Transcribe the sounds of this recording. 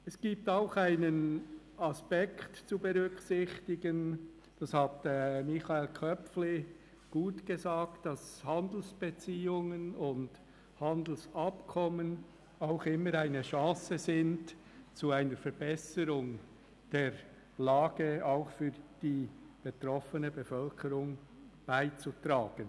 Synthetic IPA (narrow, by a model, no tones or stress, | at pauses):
ɛsɡ̥iːp̚taʊxaɪnən | ɑspɛktt͡subɛʁʏksɪçtɪɡən | d̥ɑshɑtɛmɪçaelkʰœpfli | ɡ̥uːtɡ̥ezaːktd̥ɑshɑnd̪l̩sb̥et͡siːʊŋənʊnd | hɑnd̪l̩sɑpkʰɔmən | aʊxɪməɾaɪnəʃɑ̃ːsəzɪnt | t͡suaɪnəɾfɛɾb̥ɛsəɾʊŋ | d̥eːɾ | laːɡ̥əaʊxfyːɾd̥iːb̥etɾɔfənəbefœlkʰəɾʊŋ | b̥aɪt͡sutɾaːɡ̥ən